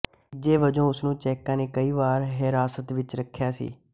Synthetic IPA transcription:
d͡ʒeːʋəd͡ʒõːʊsnũːt͡ʃɛːkãːneːkəiːʋaːɾɦɪɾaːsət̪ʋɪt͡ʃɾəkʰːjaːsḭː

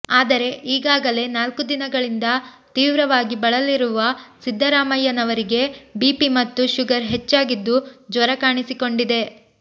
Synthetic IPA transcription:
aːd̪ɐɾe̞ʔiːɡaːɡɐle̞naːlkud̪inɐɡɐɭind̪ɐ | t̪iːʋɾɐʋaːɡibɐɭɐliɾuʋɐsid̪ʱːɐɾaːmɐjɐnɐʋɐɾiɡe̞biːpimɐt̪ːuʃuɡɐɾɦe̞t͡ʃːaːɡid̪ːud͡ʒʋɐɾɐkaːɳisiko̞ɳɖid̪e̞

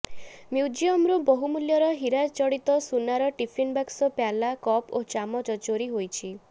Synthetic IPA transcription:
mjud͡ʒiɔmɾobɔɦumuljɔɾɔɦiɾat͡ʃɔɽit̪ɔsunaɾɔʈipʰinbaksɔpjalakɔpot͡ʃamɔd͡ʒɔt͡ʃoɾiɦojt͡ʃʰi

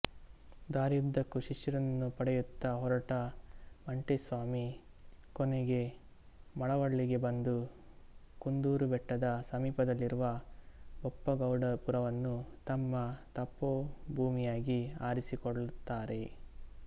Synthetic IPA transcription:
d̪aːɾjud̪ːɐkuʃiʃjɐɾɐnːupɐɽɛjut̪ːɐɦɔɾɐʈɐmɐɳʈesʋaːmi | kɔneɡe̞ | mɐɭɐʋɐɭːiɡe̞bɐnd̪u | kund̪uːɾubɛʈːɐd̪ɐsɐmiːpɐd̪ɐlːiɾuʋɐ | ɔpːɐɡɐwɖɐpuɾɐʋɐnːut̪ɐmːɐt̪ɐpːobʱuːmijaːɡiaːɾisikoɭut̪ːaːɾe̞

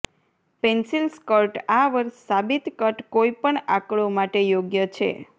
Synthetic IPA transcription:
pensilskəɾʈaʋəɾʃːabit̪kəʈkoipəɳa̰kɭomaʈejoɡjət͡ʃʰḛ

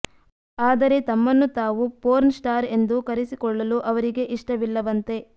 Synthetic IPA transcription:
aːd̪ɐɾe̞t̪ɐmːɐnːut̪aːʋupoːɾnsʈaːɾe̞nd̪ukɐɾisikɔɭːɐluʔɐʋɐɾiɡe̞ʔiʂʈɐʋilːɐʋɐnt̪e̞

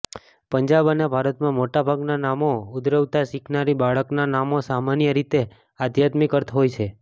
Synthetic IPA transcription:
pəɲd͡ʒabənebʱaɾət̪mãmoʈabʱaɡnanamoʊd̪ɾəʋt̪aʃikʰnaɾibaɭəknanamosamanjəɾit̪e | ad̪ʱjat̪mikəɾt̪ɦojt͡ʃʰe

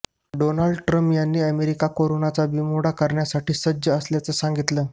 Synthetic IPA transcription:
ɖonaɭɖʈɾəmpjanːiːəmeɾikakoɾonat͡sabimoɽakəɾɳjasaʈiːsədəəsljat͡səːsaŋɡit̪ləː

